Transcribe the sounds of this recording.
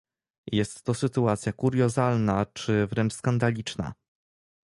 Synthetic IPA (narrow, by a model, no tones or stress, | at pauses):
jɛst̪ːɔsɘt̪uat̪sʲjakuɾjɔzalnat͡ʂɘvɾɛɳt͡ʂskand̪alʲit͡ʂna̰